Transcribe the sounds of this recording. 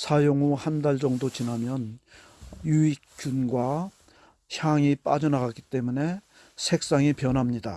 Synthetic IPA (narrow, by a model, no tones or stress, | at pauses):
sʰajoŋuhandaɭd͡ʑʌŋdot͡ɕinɦamjʌn | juik͈unɡwa | çjaŋip͈ad͡ʑʌnaɣak͈i̥t͈e̞mune̞ | sʰe̞k̚s͈aŋipjʌnɦamɲida̰